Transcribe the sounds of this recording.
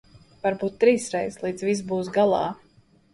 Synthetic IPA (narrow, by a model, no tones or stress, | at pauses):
vaɾbuːt̪̚ːɾiːsɾɛjslˠiːd̪zvis̬buːs̬ɡalˠɑ̰ː